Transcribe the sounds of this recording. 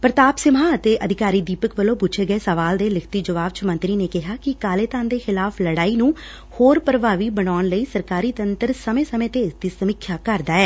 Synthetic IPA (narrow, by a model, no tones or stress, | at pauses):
pɾət̪aːpsɪmaːət̪eːʔəd̪ʱɪkaːɾiːd̪iːpəkʋəlõːpʊt͡ʃʰeːɡəeːsəʋaːld̪eːlɪkʰt̪iːd͡ʒəʋaːʋt͡ʃəmə̃nt̪ɾiːneːkɪɦaːkɪkaːleːt̪aːnd̪eːxɪlaːpʰləɽaːiːnũː | hoːɾpəɾəʋaːʋiːbənaːnləiːsəɾkaːɾiːt̪ənt̪əɾsəmẽːsəmẽːt̪eːɪsd̪iːsəmɪkʰjaːkəɾd̪aːɛː